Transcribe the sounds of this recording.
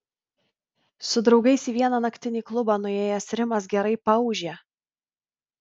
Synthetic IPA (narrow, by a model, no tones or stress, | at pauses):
sʊd̪ɾɒʊɡɐɪsiːʋʲiɛnɑnɐkt̪ʲɪnʲiːklˠʊbɑːnʊeːjɛsɾʲɪmɐs̬ɡʲɛɾɐɪpɐʊʒʲeː